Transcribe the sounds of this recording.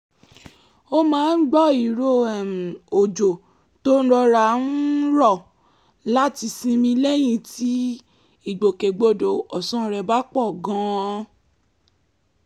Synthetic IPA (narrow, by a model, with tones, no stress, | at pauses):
o˦mãː˨˦n̩˦ɡ͡bɔ˦i˨ɾo˦˨ɛ˨m˨o˨d͡ʒo˨ | to˦n̩˦ɾɔ˧ɾa˧˨n̩˦ɾɔ˦˨ | la˦ti˧sĩ˧mĩ˧lɛ˦j̃ĩ˧tʰi˨˦ | i˦˨ɡ͡bo˨ke˨ɡ͡bo˧do˨ɔ˨sɔ̃˦˧ɾɛ˧ba˦k͡pɔ˦˨ɡã˨˦˧